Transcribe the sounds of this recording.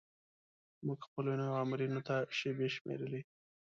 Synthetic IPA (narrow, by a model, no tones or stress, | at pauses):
muɡxpəlonojoamɪɾinot̪aʃebeʃmḛɾəle